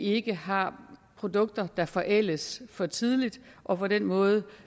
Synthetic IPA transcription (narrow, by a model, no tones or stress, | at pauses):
e̝ɡ̥əɦɑ̈pʰʁo̝d̥ɔ̽ɡ̥̚d̥ɐd̥ɑ̈fɒ̽ʔel̰əsfɒ̽t͡sʰið̞ˠlid̥ | ʔɒ̽pʰɒ̽d̥en̰mɔ̽ːð̞ˠə